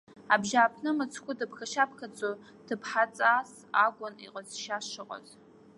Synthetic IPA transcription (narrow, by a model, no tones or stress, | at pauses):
abʒaːpʰnɨmɨt͡sʰkʷʰʊdɨpʰxaʃapʰkat͡sʼo | d̥ɨpʰħat͡sʼas | aɡʷʊnḭqʼəzʃaʂɨqʼa̰z